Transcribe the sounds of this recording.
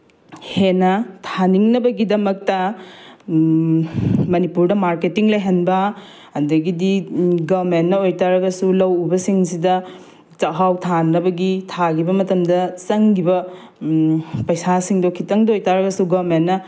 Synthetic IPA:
henɐtʰaniŋnɐbɐɡidɐmɐk̚tɐ | mɐnipuɾdɐmaɾketiŋlɐjɦɐnbɐ | ɐndɐɡidiɡamentnɐojtaɾɐɡɐsulɐwubɐsiŋsidɐ | t͡ʃɐɦawtʰanːɐbɐɡitʰaɡibɐmɐtɐmdɐsɐŋɡibɐ | pɐjsasiŋdokʰitɐŋdɐojtaɾɐɡɐsuɡamentnɐ

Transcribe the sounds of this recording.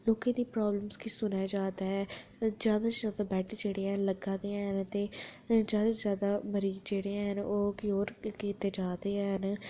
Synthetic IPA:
loːkẽːd̪iːpɾaːbləmskisʊnaːd͡ʒaːd̪aːɦɛːzjaːd̪aːzjaːd̪aːbɛːʈʰːd͡ʒeːɽeːãɦənləɡãːd̪eːãɦənt̪eːzjaːd̪aːzjaːd̪aːməɾiːɡd͡ʒeːɽeːãɦənoːkɪoːɾkiːt̪eːd͡ʒaːd̪eːɦən

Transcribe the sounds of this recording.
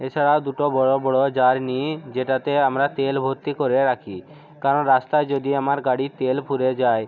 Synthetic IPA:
et͡ʃʰaɽad̪uʈobɔɽobɔɽod͡ʒaɾnid͡ʑeʈat̪eamɾat̪elbʱoɾt̪ikoɾeɾakʰi | kaɾɔnɾast̪ad͡ʒod̪iamaɾɡaɽit̪elpʰuɾed͡ʒaj

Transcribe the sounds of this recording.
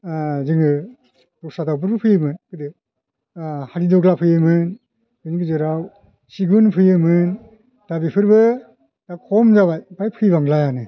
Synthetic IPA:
zɯŋɯ | dɔksadawbɯɾbɯpʰɯjɯmɯnkɯdɯ | haɾidɔɡlapʰɯjɯmɯn | bɯnɡɯzɯɾaw | siɡunpʰɯjɯmɯn | d̥abipʰɯɾbɯ | dakʰɔmzaβajbajpʰɯjbaŋlajanɯ

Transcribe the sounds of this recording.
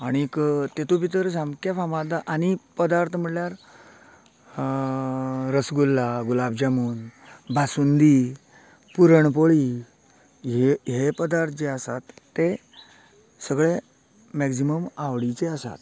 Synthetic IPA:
aɽ̃ikt̪et̪upit̪əɾs̬amkafamad̪aʔanipəd̪aɾt̪ʰəm̤əɽljaɾ | ɾəsɡulːaɡulabd͡ʑamuːnbʱasund̪i | puɾəɳp̬oɭi | eɦepəd̪aɾt̪ʰəd͡ʑeasat̪ːe | səɡɭe | mɛksiməmaʋɽit͡seasa̰t̪

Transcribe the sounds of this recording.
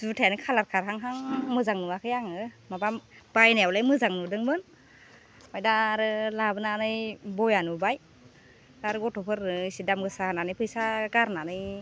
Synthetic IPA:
zutʰajanɯjkʰalaɾkʰaɾɦaŋɦaŋmɯzaŋnuakʰɯjaŋɯmabamb̥ajnajawlajmɯzaŋnudɯŋmɯn | majdaɾɯlabɯnanɯjbɔjanubaj | daɾɯɡɔtʰɔpʰɯɾnɯsidamɡɯsaananɯjpʰɯjsaɡaɾnanɯj

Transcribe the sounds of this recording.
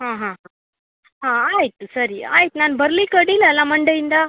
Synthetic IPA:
ɦãɦãɦã | ɦãajt̪səɾia̰jt̪nanbʱəɾlikəɽiləlaməɳɖəind̪a

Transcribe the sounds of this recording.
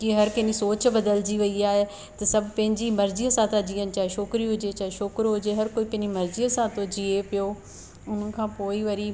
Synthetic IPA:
kiɦɐɾkɐ̃ɦnisoːt͡ɕbɐd̪əld͡ʑiʋɐiaːɦe | t̪ɐsɐbʱpɐ̃ɦɪ̃ɲd͡ʑimɐɾziɐsãt̪ãd͡ʑiːənɪ̆t͡ɕaɦeʃoːkɾiɦʊd͡ʑet͡ɕaːeʃoːkɾɦʊd͡ʑeɦɐɾkoːipɐ̃ɦɪ̃d͡ʑimɐɾziɐsãt̪od͡ʑiepijoː | ʊn̤əkʰãːpoːiʋɐɾi

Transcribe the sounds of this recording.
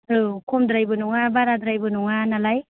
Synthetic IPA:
ɯkʰɔmdɾajbɯnuŋabaɾadɾajbɯnuŋanalaj

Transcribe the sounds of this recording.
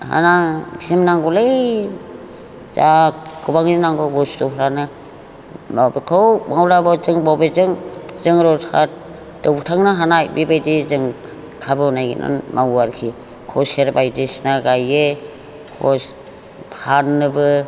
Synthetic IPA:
ha̰nasimnaŋɡɔle | zakɯbaŋinaŋɡɯbɔstɔɦɾanɯ | mabekʰawmawɾabɔzɯŋbɔwbezɯŋzɯŋɾɔtʰat | d̥ɔwbutʰaŋnaɦanajbibajdizɯŋ | kʰabɯnajɡḭnʔa̰nmawaɾkʰi | kʰɔseɾbajdisnaɡaje | kʰɔs | pʰanːɯbɯ

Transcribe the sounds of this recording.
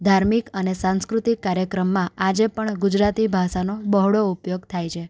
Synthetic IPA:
d̪ʱaɾmikənesãnskɾut̪ikːaɾjəkɾəmːãad͡ʒepəɳɡud͡ʒɾat̪ibʱaʃanobəɦɽoupjoɡt̪ʰajt͡ʃʰe

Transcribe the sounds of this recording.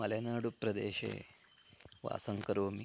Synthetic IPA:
ɐlɐnaːɽupɾɐd̪ḛːʃḛː | ʋa̰ːsɐŋkɐɾoːmi

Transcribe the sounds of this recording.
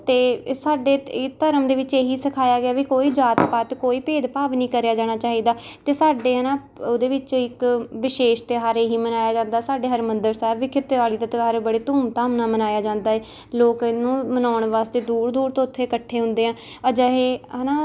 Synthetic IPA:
t̪eːsaːɖeːt̪əɾəmd̪eːʋɪt͡ʃeːɦiːsəkʰaːjaːɡɪaːʋiːkoːiːd͡ʒaːt̪paːt̪koːiːpeːd̪paːʋnĩːkəɾejaːd͡ʒaːɽ̃aːt͡ʃaːɦiːd̪aːt̪eːsaːɖeːənãː | od̪eːʋɪt͡ʃːɪkʋɪʃeːʃt̪eːɦaːɾeːɦiːmənaːjaːd͡ʒãːnd̪aːsaːɖeːɦəɾmənd̪əɾsɛːbʋiːkʰɪt̪ːʋaːliːt̪aːt̪eɦaːɾebəɽeːt̪uːmt̪aːmnaːmənaːjaːd͡ʒãːnd̪aːeː | loːkɪnːũːmənaːʊɳʋaːst̪eːd̪uːɾd̪uːɾt̪õːʊt̪ʰːeːkəʈʰːeːɦʊ̃nd̪eːãː | əd͡ʒəɦeːnãː

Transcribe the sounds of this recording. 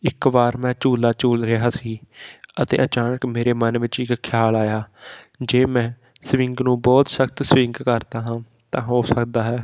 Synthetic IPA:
ɪkbaːɾmɛ̃ːt͡ʃuːlaːt͡ʃuːlɾɪɦaːsiːət̪ḛːʔət͡ʃaːnəkmeːɾeːmənʋɪt͡ʃɪkkʰjaːlaːjaːd͡ʒeːmɛ̃ː | sʋɪŋɡnũːbɔːt̪səkt̪sʋɪ̃ŋɡkəɾd̪aːɦãː | t̪ãːɦoːsəkd̪aːɦɛː

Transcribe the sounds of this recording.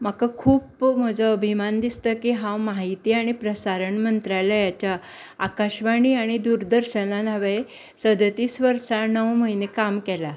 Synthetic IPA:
m̤akakʰuːpm̤əd͡zʱəəbʱimand̪ist̪əkiɦãwmaɦit̪iːaɽ̃ipɾəsaɾəɳmənt̪ɾalajat͡ɕjaː | kaɕʋaɽ̃iːaɽ̃id̪uɾd̪əɾɕənanaʋe | səd̪t̪iːsʋəɾʂanəwməɦinekamkɛla

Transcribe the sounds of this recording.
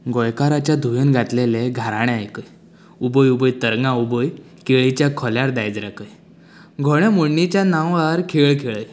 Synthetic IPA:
ɡɔjkaɾat͡ɕjad̪ʱujuːnɡʱat̪leleɡʱaɾaɽ̃eajkəj | ubəjubəjt̪əɾŋɡaubəj | keɭit͡ɕjakʰɔljaɾd̪ajd͡zɾakəj | ɡʱɔɽ̃jamoɳːit͡ɕjanãwaɾkʰeɭkʰeɭəj

